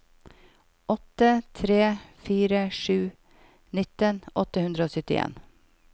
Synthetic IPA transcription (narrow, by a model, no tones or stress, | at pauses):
ʔɔt̪ət̪ʰɾeːfiːɾəʂʉː | nɪt̪ənʔɔt̪əhʉnd̪ɾəoːsʏt̪ɪ̰ʔḛːn